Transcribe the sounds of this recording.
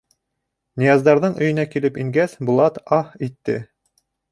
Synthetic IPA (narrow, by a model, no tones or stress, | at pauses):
nʲijɑzd̪ɑɾðɤɴɵ̆jɵ̆nækilɘpiŋɡæsbŭlˠɑt̪ɑhit̪ːɘ̰